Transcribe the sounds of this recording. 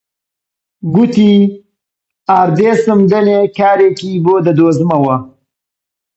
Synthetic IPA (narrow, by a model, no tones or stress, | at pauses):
ɡut̪i | aːɾd̪esəmd̪ənekaːɾekibod̪əd̪oːzmawa